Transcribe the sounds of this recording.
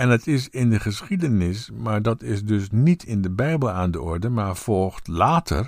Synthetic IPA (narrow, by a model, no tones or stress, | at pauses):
ɛnətʰɪsɪndəχəsχidənɪsmaːɹdɑtɪsdɵsnitʰɪndəbɛjbəlˠaːndəɔɹdəmaːɹfɔlˠχtlaːtʰə̰r